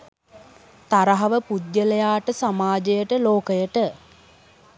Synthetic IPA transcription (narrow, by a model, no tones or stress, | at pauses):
t̪aɾəɦɐʋəpud̪jəlejaːʈəsamaːd͡ʒəjəʈəloːkəjəʈə